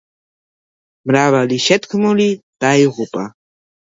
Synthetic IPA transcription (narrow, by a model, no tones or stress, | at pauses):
mɾaβaliʃet̪kmʊlit̪ajɢʊpʼa̰